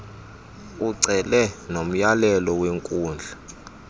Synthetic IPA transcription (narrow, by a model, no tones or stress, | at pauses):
uǀɛlɛnom̩jalɛlɔweŋkʼuːnd͡ɮʱa